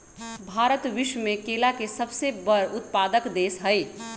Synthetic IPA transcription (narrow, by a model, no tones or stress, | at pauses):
bʱaːɾət̪ʋɪʃwmẽkeːlakesəbsebəɾʊt̪̚paːd̪əkd̪eːsɦəɪ